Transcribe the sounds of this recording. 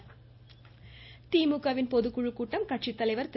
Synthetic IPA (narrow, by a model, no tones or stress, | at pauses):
t̪iːmʊkːɐʋɪnpɔðɯkʊɻɯkːuːʈːɐmkɐʈ̚ʂit̪ːɐlɐɪʋɐɾt̪